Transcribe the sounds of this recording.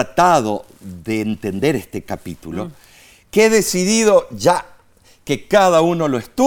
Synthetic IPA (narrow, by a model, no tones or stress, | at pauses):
at̪aðo | ðeːnt̪end̪e̞ɾest̪ekapit̪ulo | keeðesiðiðo̞ʒa | kekaðauno̞loest̪u